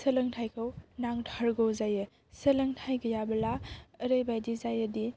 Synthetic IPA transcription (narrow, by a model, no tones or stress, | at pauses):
səlɯŋtʰajkʰɯwnaŋtʰaɾɡowzajɯ | səlɐŋtʰajɡəjabɐlaəɾəjbajdizajədi